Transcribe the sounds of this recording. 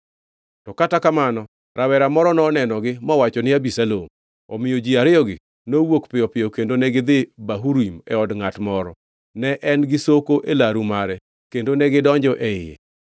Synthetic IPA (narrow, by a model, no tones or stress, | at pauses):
tɔkatakamanɔ | ɾʔawɛɾamɔɾɔnɔnɛnɔɡɪmɔwat͡ʃɔnɪabisalom | ɔ̰mɪjod͡ʒiaɾɪɔɡɪ | nowokpɪjɔpɪjɔkendonɛɡɪd̪ɪbaɦuɾimɛɔdŋatmɔɾɔ | nɛʔɛnɡɪsokoʔelaɾumaɾɛ | kendonɛɡɪdɔɲd͡ʒɔʔɛɪjḛ